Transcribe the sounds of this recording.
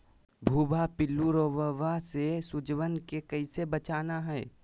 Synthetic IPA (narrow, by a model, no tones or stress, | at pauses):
bʱuːbʱapɪlːuɾoːʋəʋasesʊd͡ʒʋənkekəisebət͡ʃaːnaɦɛː